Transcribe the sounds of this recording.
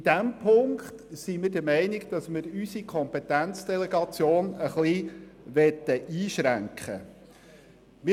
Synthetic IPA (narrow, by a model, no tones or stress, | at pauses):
id̥æmpʰʊŋkχtsimɪɾd̥əɾmɛɪnɪɡd̥ɑsmɪɾysikʰɔmpɛt̪ænt͡sd̥̪ɛleɡɑt͡sjoːnəχliʋɛt̪ːəʔiːʃɾæŋkχə̰ | mɪ